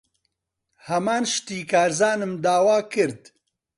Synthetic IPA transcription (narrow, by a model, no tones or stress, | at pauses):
hɐmaːnʃt̪iːkaːɾzaːnɨmd̪aːwaːkɨɾd̪